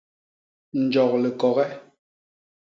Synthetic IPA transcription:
n̩˨d͡ʒɔ˨k̚lɛ˨kɔ˨ɣɛ˦

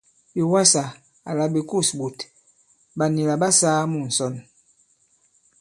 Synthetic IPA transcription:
bi˨wa˦sa˨ | a˨la˨bi˨ku˦˨sbu˨t | ba˨ni˨la˨ba˦saː˦mu˦˨n̩˨sɔ˦˨n

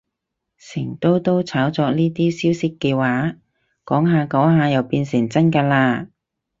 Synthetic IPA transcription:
sɪ˨˩ŋt̪o˥wt̪o˥wt͡sʰaː˨˥wt͡sɔː˧k̚niː˥t̪iː˥siː˥wsɪ˥kːɛː˧waː˨˥ | kɔː˨˥ŋɦaː˧kɔː˨˥ŋɦaː˧jɐ˨˩wpiː˧nsɪ˨˩ŋt͡sɐ˥nkaː˧laː˧

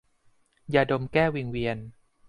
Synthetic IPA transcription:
jaː˨˩do˧mkɛː˥˩wi˧ŋwi˧ən

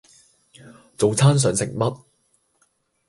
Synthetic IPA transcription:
t͡so˨wt͡sʰaː˥ns̬œː˨˥ŋsɪ̰˨˩ŋmɐ˥t̚

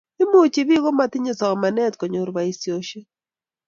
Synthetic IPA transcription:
ɪ˦mo˦˨t͡ʃi˨bi˦ɣo˦ma˦tɪ˦ɲe˨sɔ˨ma˨nɛ˦tkɔ˨ɲo˨ɾba˨i˨sjo˨ʃe˦

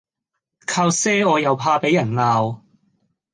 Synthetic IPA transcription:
kʰaː˧wsɛː˥ɔː˨˧jɐ˨˧wpʰaː˧pe˨˦jɐ˨˩nlaː˧w

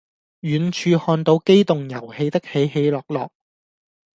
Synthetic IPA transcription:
jyː˨nt͡ʃʰyː˧hɔː˧nt̪o˨˧wke˥jt̪ʊ˨ŋjɐ˨˩whe˧jt̪ɐ˥k̚he˨˧jhe˨˧jlɔː˨k̚lɔː˨k̚

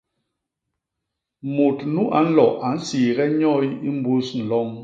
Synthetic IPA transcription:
mu˨tnu˦ʔa˨˦n̩˦lɔ˨ʔa˨n̩˦si˨ɣɛ˦ɲɔ˦i˦i˦m˦bu˦sn̩˨lɔ˦ŋ

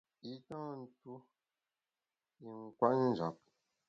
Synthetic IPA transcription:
i˦tɔ̃ː˦˨n̩˦tu˦ | i˨ŋ˨kwa˦n˦n̩˨zɔ˨k̚

